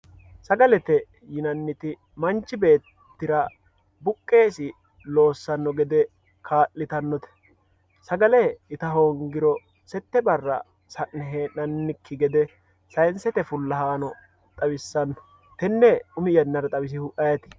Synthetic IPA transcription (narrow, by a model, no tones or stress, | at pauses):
sɐɡɐlɛt̪ɛ | jɪnɐnːɪt̪ɪ | mɐnt͡ʃːɪbe̞ːt̪ːɪɾɐ | bʊkʼːe̞ːsɪ | lo̞ːsːɐnːɔɡɛd̪ɛ | kʰaːlːɪt̪ɐnːɔt̪ɛ̥ | sɐɡɐlɛɪt̪ɐɦoːŋɡɪɾɔ | sɛt̪ːɛbɐrːɐ̰ | sɐʔnɛɦeːnɐnːɪkʰːɪɡɛd̪ɛ | sɐjnsɛt̪ɛfʊlːɐhaːnɔ | t̪ʼɐwɪsːɐnːɔ̥ | t̪ɛnːɛʊmɪjɐnːɐɾɐt̪ʼɐwɪs̬ɪhʊʔɐjɐt̪ɪ̥